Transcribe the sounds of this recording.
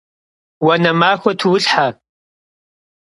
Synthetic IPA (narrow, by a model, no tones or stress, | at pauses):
wɐnɐmaːxʷɐtʰwʊɬħa